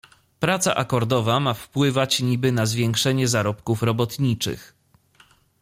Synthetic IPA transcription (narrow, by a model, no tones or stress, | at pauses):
pɾat̪sa̰ʔakɔɾd̪ɔvamafpwɘvat͡ɕɲibɘnazvʲjɛŋkʂɛɲɛzaɾɔpkufɾɔbɔt̪ɲit͡ʂɘ̰x